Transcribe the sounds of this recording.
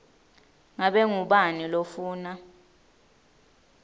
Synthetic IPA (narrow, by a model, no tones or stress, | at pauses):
ŋaɓɛŋuɓanilofuːna